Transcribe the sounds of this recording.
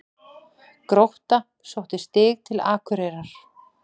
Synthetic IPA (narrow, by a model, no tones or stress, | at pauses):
kɾowht̪a | sowht̪ɪst̪ɪːɣt̪ʰɪlaːkʰʏɾeːɾaɾ̥